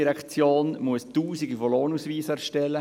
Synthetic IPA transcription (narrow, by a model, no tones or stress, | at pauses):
iɾɛkt͡sjoːnmuəstuːziɡifoloːnusʋiːsɛɾʃtɛlːə